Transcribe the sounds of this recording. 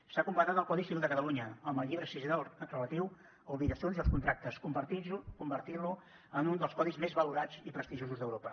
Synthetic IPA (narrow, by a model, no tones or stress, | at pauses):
sakumpat̪at̪əlˠkɔðisiβilˠd̪əkət̪əluɲəəmbəlˠʎiβɾəsizinaləkrələt̪iw | uβikəsionziəlˠskunt̪ɾak̚t̪əskumbəɾt̪ikumbəɾt̪ilu | ənund̪əlˠskɔðizmezβəluɾad͡zipɾəst̪iʒozuzðəwɾopə